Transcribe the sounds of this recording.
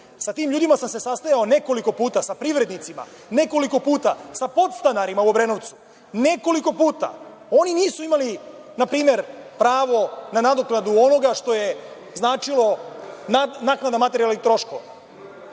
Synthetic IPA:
sat̪iːmʎuːd̪imasamse̞sast̪ajaone̞ko̞liko̞puːt̪asapɾiʋɾed̪nit̪sima̰ | ne̞ko̞liko̞puːt̪asapo̞t̪st̪anaɾimauobɾe̞noʋt̪su̥ | ne̞ko̞liko̞puːt̪a̰ | o̞niniːsuimali | napɾiːme̞ɾpɾaːʋo̞nanad̪oknad̪uo̞no̞ɡaʂt̪o̞je̞ | znaːt͡ʃilˠo̞anaːknad̪amat̪e̞ɾijalnit̪ɾo̞ʃko̰ʋa

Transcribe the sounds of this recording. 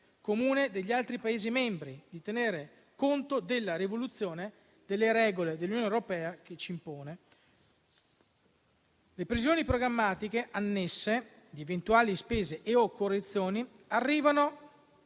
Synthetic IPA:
komuːned̪eʎːialt̪ɾipaeːzimɛmbɾid̪it̪eneːɾe | kont̪od̪elːaɾivolut̪sːjoːne | d̪̥elːeɾɛːɡoled̪elːunjoːneoɾopɛːak̟et͡ʃːiːmpoːne | lepɾizjoːnipɾoɡɾamːaːt̪ikeʔanːesːe | d̪ievent̪uaːlispeːzeʔeokːorːet̪sːjoːni | arːiːvano

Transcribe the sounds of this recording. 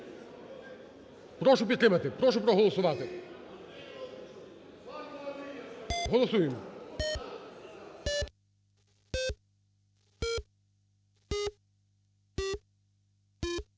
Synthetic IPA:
pɾɔʃʊpʲid̪t̪ɾɪmɐt̪ɪpɾɔʃʊpɾɔɦɔlˠɔsʊʋɑt̪ɪ | ɦɔlˠɔsujɪm

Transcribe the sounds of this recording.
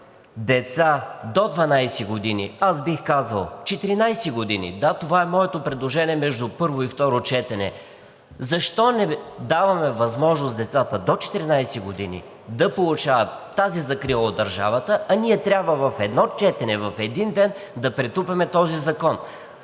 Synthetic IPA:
d̪ɛt̪sad̪od̪vɐnajsiɡod̪inḭazbixkazəlˠt͡ʃɛt̪iɾinajsiɡod̪inḭd̪at̪ovaɛmɔɛt̪opɾɛd̪lˠoʒɛniɛmɛʒd̪ʊpɤɾvoift̪ɔɾot͡ʃɛt̪ɛnɛ̰ | zɐʃt̪ɔnɛd̪avɐmɛvɐzmɔʒnosd̪ɛt̪sat̪əd̪ot͡ʃɛ̥t̪iɾinajsɛɡod̪inḭ | d̪ɐpolˠut͡ʃavət̪ːazizɐkɾilˠəod̪ːɐɾʒa̰vət̪əʔɐniɛt̪ɾʲabvəvɐfɛd̪nɔt͡ʃɛt̪ɛnɛvɐfɛd̪ind̪ɛn | d̪ɐpɾɛt̪upɛmɛt̪ɔzizɐkɔn

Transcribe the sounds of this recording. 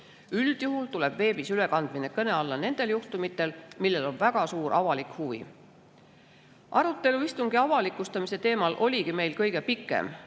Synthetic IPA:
yld̪̥juɦult̪ule̞b̥ve̞ːbisyle̞kɑnd̪̥minekɤne̞ɑlːɑne̞nd̪̥e̞ljuht̪umit̪ːˑe̞lmilːe̞lo̞nvæɡ̥ɑsuːɾʔɑvɑlikhuvḭ | ʔɑɾut̪ːˑe̞luist̪uŋɡ̥iɑvɑlikːˑust̪ɑmise̞t̪e̞ːmɑlʔo̞lʲiɡime̞jlkɤjɡe̞pikːˑḛm

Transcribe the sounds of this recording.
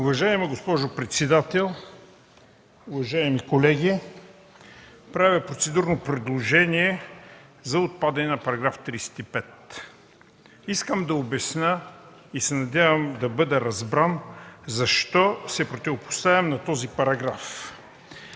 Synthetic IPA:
ʊvɐʒaɛmɛɡospɔʒʊpɾɛt̪sɛd̪at̪ɛlˠ | ʊvɐʒaɛmikolɛɡʲi | pɾavʲɐpɾot̪sɛd̪uɾnopɾɛd̪lˠoʒɛniɛ | zɐot̪̚pad̪ɐnɛnɐpɐɾɐɡɾaft̪ɾisɛ̥t̪ipɛt̪ | iskəmd̪ɐobɛsnə | isɛnɐd̪ʲavɐmd̪ɐbɤd̪ɛɾɐzbɾanzɐʃt̪ɔsɛpɾot̪ivopʊ̥st̪avʲɐmnɐt̪ɔzipɐɾɐɡɾaf

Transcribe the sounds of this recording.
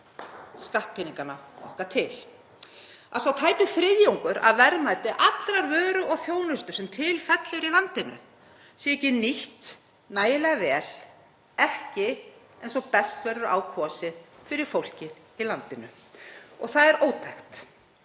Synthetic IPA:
skaht̪̚pʰɪniŋkanaɔ̰hkat̪ʰɪl | asawt̪ʰaːjpɪθɾɪðjowŋkʏɾa̰ðvɛɾmaːjt̪ɪʔat̪lɾaɾvœːɾʏʔɔɣθjoːwnʏst̪ʏ̥sɛmt̪ʰɪlfɛt̪lɪɾilant̪ɪnʏ̰ | siɛcɪniht̪ | naːjɪlɛɣavɛːl̥ | ɛhcɪ | ejnsɔɣpɛst̪vɛɾʏɾʔa̰ːwkʰvɔsɪðfɪɾɪɾ̥fowl̥cɪð | ilant̪ɪnʏ | ɔɣθaðɛɾoːwt̪ʰajxt̪

